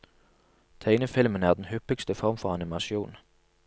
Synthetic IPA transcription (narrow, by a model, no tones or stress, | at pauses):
t̪ʰeɪnəfɪlmənæːʁd̪n̩hʏpəkst̪əfɔʁmfɔʁɑnɪmɑsjuːn